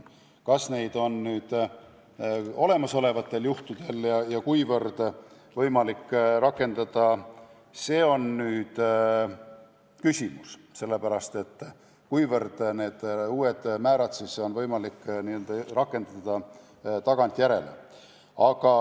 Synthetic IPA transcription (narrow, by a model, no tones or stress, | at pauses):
kɑsne̞jd̪̥o̞nnyːd̪̥ | o̞le̞mɑso̞le̞vɑt̪ˑːe̞ljuht̪ud̪̥e̞ljɑjɑkujvɤrd̪̥ | vɤjmɑlikːrɑkːˑe̞nd̪̥ɑd̪̥ɑ | se̞ːo̞nnyːd̪̥ | kysʲimusse̞lːe̞pæɾɑst̪e̞t̪ː | kujvɤrd̪̥ne̞ːd̪̥uːe̞d̪̥mæːɾɑt̪siso̞nvɤjmɑlikːniø̞ld̪ɑrɑkːˑe̞nd̪̥ɑd̪̥ɑ | t̪ɑɡ̥ɑnt̪ˑjæɾe̞̰lḛ | ɑɡ̥ɑ